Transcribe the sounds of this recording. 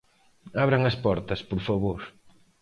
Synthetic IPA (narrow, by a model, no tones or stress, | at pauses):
aβɾɐŋɐspɔɾt̪ɐspoɾfaβoɾ